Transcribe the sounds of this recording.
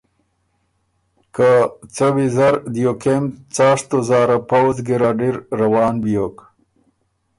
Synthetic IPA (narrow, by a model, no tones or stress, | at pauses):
kat͡sawizaɾd̪ijokemt͡sɑːʂt̪ozɑːɾapawzɡiɾaɖiɾːawɑːnbijok